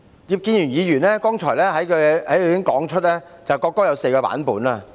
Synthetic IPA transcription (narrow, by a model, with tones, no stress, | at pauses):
jiː˨p̚kiː˧nyː˨˩njiː˨˧jyː˨˩nlɛː˥kɔː˥ŋt͡ʃʰɔ̰ː˨˩jlɛː˥ɦɐ˨˥jkʰːhɐ˨˥jɪ˥ŋkɔː˨˥ŋt͡ʃʰɵ˥t̚lɛː˥ | t͡sɐ˨wkɔː˧kːɔː˥jɐ˨˧wse˧jkɔː˧pa̰ː˨˥npuː˨˥naː˧